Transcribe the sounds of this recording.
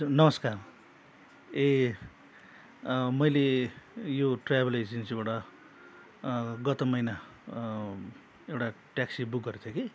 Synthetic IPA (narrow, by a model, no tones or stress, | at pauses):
nʌmʌskar | e | mʌjlejoʈrabʌlesinsibaʈʌ | ɡʌt̪ʌmʌjna | ewʈa | ʈjaksibuk̚ɡʌɾet̪ʰjeke